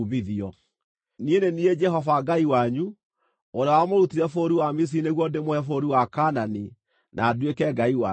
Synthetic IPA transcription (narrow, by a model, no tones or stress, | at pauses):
miðiɔ | nienenied͡ʒɛɦɔvaɡaiwaɲu | oɾeawamoɾutiɾɛfoɾiwamis̬ineɣwɔdemohɛfoɾiwakanani | nʔaːdwekɛɡaiwa